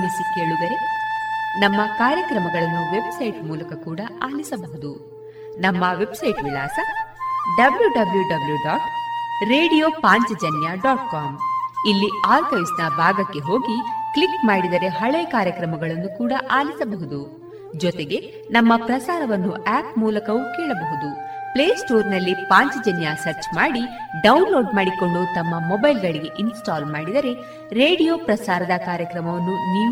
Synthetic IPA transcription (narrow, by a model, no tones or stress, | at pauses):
misike̞ːɭud̪ɐɾe̞ | nɐmːɐkaːɾjɐkɾɐmɐɡɐɭɐnːuʋe̞bsɐjʈmuːlɐkɐkuːɽɐʔaːlisɐbɐɦud̪u | nɐmːɐʋe̞bsɐjʈʋilaːsɐɖɐbljuɖɐbljuɖɐbljuɖaːʈɾe̞ːɖijoːpaːɲt͡ʃɐd͡ʒɐnjaɖaːʈkaːmilːiaːɾkɐjsnɐbʱaːɡɐkːe̞ɦo̞ːɡikɭikmaːɽid̪ɐɾe̞ɦɐɭɐkaːɾjɐkɾɐmɐɡɐɭɐnːukuːɽɐʔaːlisɐbɐɦud̪u | d͡ʒɔt̪eɡe̞ | nɐmːɐpɾɐsaːɾɐʋɐnːuʔaːpmuːlɐkɐʋukɛːɭɐbɐɦud̪upleːsʈoːɾnɐlːipaːɲt͡ʃɐd͡ʒɐnjasɐɾt͡ʃmaːɽi | ɖɐwnlo̞ːɖmaːɽiko̞ɳɖut̪ɐmːɐmɔbɐjlɡɐɭiɡe̞ʔinsʈaːlmaːɽid̪ɐɾe̞ | ɾe̞ːɽijoːpɾɐsaːɾɐd̪ɐkaːɾjɐkɾɐmɐʋɐnːuniː